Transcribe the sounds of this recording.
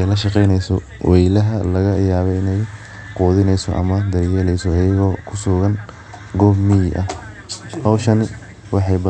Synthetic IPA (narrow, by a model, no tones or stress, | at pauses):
jlɐʃɑqɛjnɛjsɔ | wʔɛjlɐɦɐlɐɣɐʔɪjaːβɛɪnɛj | quːðɪnɛjsɔ̰ʔɐ̰mɐd̪ɐrjɛlɛjsɔɐjɐɣɔːkʰʊsʊɣɐn | ɡɔbmɪjɪʔɐh | hɐwʃɐnɪ | wɑħɑjbɐ